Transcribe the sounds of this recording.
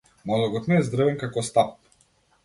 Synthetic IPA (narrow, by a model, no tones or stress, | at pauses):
nalˠɔɡɔt̪nɛːzd̪ɾəvɛnkakɔst̪ap̚